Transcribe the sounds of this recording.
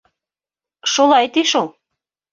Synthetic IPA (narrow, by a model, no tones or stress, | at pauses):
ʃolˠɑjt̪iʃolˠ